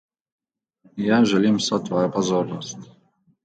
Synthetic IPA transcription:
jaʒɛlʲimsɔt̪vɔjapɔzɔɾnɔsʲtʲ

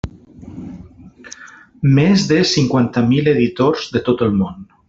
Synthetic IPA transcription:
mezðesiŋkwant̪amileðit̪oɾzðet̪ot̪əlmon

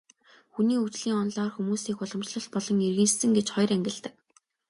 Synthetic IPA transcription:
xuniːut͡ɕɮiːŋɔnɮɔːrxumuːsiːkʊɮɞ̆mt͡ɕɮɞ̆ɬt̪̚pɔɮɞ̆ŋerɣɘ̆nsɘ̆ŋɡet͡ɕχɔj̆ræŋɡʲɪ̆ɮt̪ə̆k̚

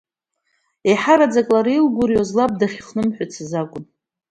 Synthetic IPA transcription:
eħaɾad͡zakʼlaɾilɡʷʊɾjozlap̚ʼdaχʲχnɨmħʷᶣat͡sʰɨzakʷʼʊn

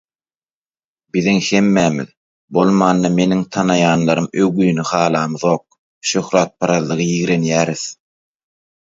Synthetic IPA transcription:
biðiŋhe̞mːæːmḭð | bolˠmɑːnːɑme̞niŋt̪ʰɑnɑjɑːnlˠɑɾɯmøwɣyjnyχɑːlˠɑːmɯðo̞ːq̚ | ʃøxɾɑːt̪̚pʰɑɾɑðlːˠɯʁɯjiɣɾe̞njæːɾiθ

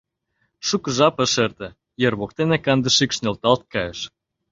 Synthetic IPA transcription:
ʃukəʒɑpə̆ʃert̪ĕ | jerβok̚t̪enekɑnd̪ə̆ʃikʃnelt̪ɑlt̪̚kɑjəʃ

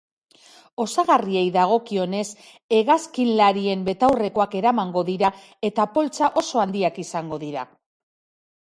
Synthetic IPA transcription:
o̞saɣarie̞jðaɣ̞o̞kio̞ne̞s | e̞ɣaskinlaɾie̞mbe̞t̪awre̞ko̞ake̞ɾamaŋɡo̞ðiɾa | e̞t̪apo̞lt͡saʔo̞so̞and̪iakisaŋɡo̞ðiɾa

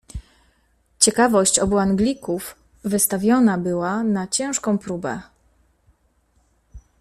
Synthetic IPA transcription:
t͡ɕɛkavɔɕt͡ɕɔbuaŋɡlʲikuf | vɘst̪avʲjɔnabɘwanat͡ɕɛ̃w̃ʂkɔ̃w̃pɾubɛ̰

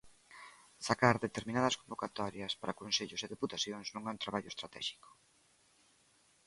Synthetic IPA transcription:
sakaɾðet̪eɾminað̞ɐskombokat̪ɔɾjɐspaɾakonseʎʊseðiput̪aθjoŋsnõŋɛunt̪ɾaβaʎʊest̪ɾat̪ɛ̰ʃi̥ko̥

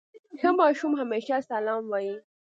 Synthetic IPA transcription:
kɐmaːʃumɦameːʃasalaːmwaji

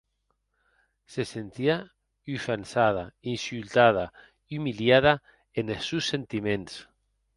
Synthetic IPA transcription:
sesent̪ia | yfansað̞ainsylt̪að̞a | iumiljaða | enesusːent̪imẽns

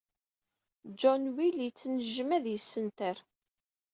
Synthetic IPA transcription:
d͡ʒɔnwiljt͡sːnəʒəmæðjəsːənt̪əɾ

